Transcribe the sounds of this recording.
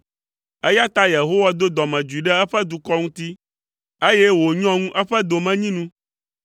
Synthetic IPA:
ɛ˦ja˦t̪a˦je˨ɦo˦wa˦d̪o˦d̪ɔ˨mɛ̃˨d͡ʒu˨i˨ɖɛ˦ɛ˦ɸɛ˦d̪u˨kɔ˦ŋũ˦t̪i˦ | e˦je˦wo˨ɲ˦ɔ̃˦ŋũ˦ʔɛ˦ɸɛ˦d̪o˨mɛ̃˦ɲĩ˦nũ˦

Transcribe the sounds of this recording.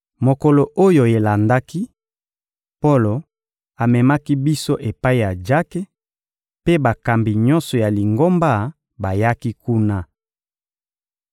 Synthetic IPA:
mo˨kɔ˨lo˨ʔo˦jo˨e˨la˨nda˦ki˦ | po˦lo˨ | a˨mɛ˨ma˦ki˦bi˦so˦ʔe˨pa˦i˦ja˨d͡ʒa˦ke˦ | pe˦ba˨ka˨mbi˨ɲɔ˦nsɔ˨ja˨li˨ŋɡo˦mba˦ | ba˨ja˦ki˦ku˦na˦

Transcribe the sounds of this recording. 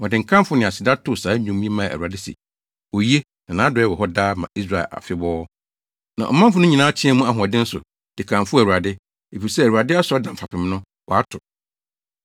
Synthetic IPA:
wɔ˨dɪ˨ŋ̩˨kʰã˦m˦fʊ˦nɪ̃˨a˨sɪ˨da˦tʰʊ˨saː˨˦ɲũ˨mːĩ˦e˦mã˦˨æ̰˨u˨a˨dɪ˦sḭ˨ | ɔ˨ji˦e˦ | nã˨nã˨˦dɛ˦wɔ˨ɦɔ˦daː˦mã̰˨ʔi˦s̬ɾa˨ɛ̰˨la̰˨fɪ˦bɔː˦ | nã̰˨ʔɔ̰˨mã˦m˦fʊ˨˦nʊ̃˦ɲĩ˨nãː˦t͡ɕʰɪ̃˦ɛ˦mũ˦a˨ɦʊ̃˨a˨dɪ̃˦n̩˦sʊ̰˨ | d̥ɪ˨kʰã˨mfʊ˦æ˨u˨ɾa˨dɪ˦ | e˨fi˨ɾisɛ˦æ˨wu˨a˨dɪ˦a˦sʊ˨ɔ˦dã˨m̩˨fa˨pɪ˨m˦nʊ̃˦ | wɔ˨a˦tʰʊ˨

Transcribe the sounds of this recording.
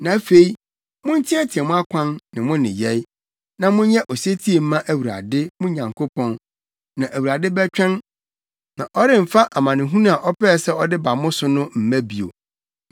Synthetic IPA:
nã˨˦fe˦i˦ | mʊ̃˦n̩˦tʰɪ̃˦ɛ˦tʰɪ˨ɛ˨mʊ̃˦a˦kʷʰã˦nnɪ̃˨mʊ̃˦nɪ̰̃˨jɛ˦ɪ˦ | nã˨mʊ̃˦ɲɛ˦ʔɔ˨se˦tʰi˦e˨m̩˦mã˦ʔæ˨wu˨ɾa̰˨dɪ˦mʊ̃˦ɲã˨ŋkʰo˦pʰɔ̃˦n | nã˨ʔæ˨wu˨ɾa˨dɪ˦bɛ˦t͡ɕᶣɛ̃˦n | nã˨ʔɔ˦ɾɪ˦m̩˨fa˦ʔa˨mã˨nɪ̃˨ɦũ˦nã˦a˨ʔɔ˦pɛː˦˨sɛ˦ɔ˦dɪ˦ba˨mʊ̃˦sʊ˦nʊ̃˦m̩˨mæ̃˦bi˨o̰˨

